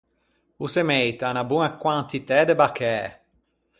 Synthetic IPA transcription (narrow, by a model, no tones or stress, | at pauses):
usemejt̪anabunakwant̪it̪ɛd̪ebakɛː